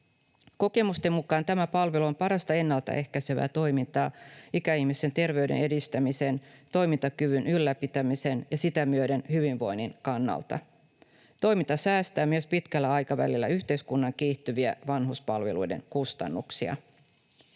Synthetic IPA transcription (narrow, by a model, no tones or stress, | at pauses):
ko̞ke̞must̪e̞mːukɑːnt̪æmæpɑlʋe̞luo̞mpɑɾɑst̪ɑe̞nːælt̪æ̰ʔe̞hkæseʋæ̰ːt̪o̞jmint̪ɑːikæihmist̪e̞nt̪e̞rʋe̞ydḛne̞dist̪æmise̞nt̪o̞jmint̪ɑkyʋynylːæpit̪æmise̞njɑsit̪æmyøde̞nhyʋinʋo̞jninkɑnːɑ̰lt̪ɑ̰ | t̪o̞jmint̪ɑsæːst̪æːmyøspit̪kælːæɑjkɑʋæ̰lilːæ̰yht̪e̞iskunːɑŋkiːht̪yʋiæ̰ʋɑnɦuspɑlʋe̞̰lujde̞̰ŋkust̪ɑ̰nːuksiɑ̰